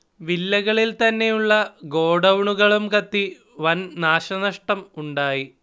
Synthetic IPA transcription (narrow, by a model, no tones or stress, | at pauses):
ʋilːɐɣɐɭilt̪ɐnːe̞juɭːɐɡo̞ːɽɐwɳuɣɐɭumkɐt̪ːi | ʋɐnnaːɕɐnɐʂʈɐmuɳɖaːji